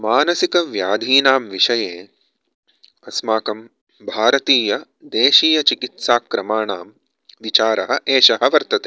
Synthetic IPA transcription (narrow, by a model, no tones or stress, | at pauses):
maːnɐsikɐʋjaːd̪ʱiːnaːmʋiʃɐjeː | ɐsmaːkɐm | bʱaːɾɐt̪iːjɐ | d̪eːʃiːjɐt͡ʃikit̪saːkɾɐmaːɳaːm | ʋit͡ʃaːɾɐɦɐ̆ʔeːʃɐɦɐʋɐɾt̪ɐt̪eː